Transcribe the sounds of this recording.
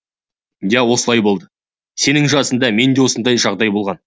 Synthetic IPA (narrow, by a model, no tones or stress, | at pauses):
jæwo̞səlˠɑjbo̞lˠd̪ə | se̞nɪŋʒɑsənd̪ɑme̞nd̪ewo̞sənd̪ɑjʒɑʁd̪ɑjbo̞lˠʁɑn